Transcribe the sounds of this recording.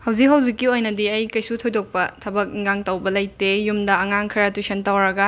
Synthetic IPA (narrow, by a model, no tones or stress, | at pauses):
hɐwzik̚ɦɐwzikːiojnɐdiɐjkɐjsutʰojdok̚pɐtʰɐbɐk̚ŋɡaŋtɐwbɐlɐjtejumdɐɐŋaŋkʰɐɾɐtusentɐwɾɐɡɐ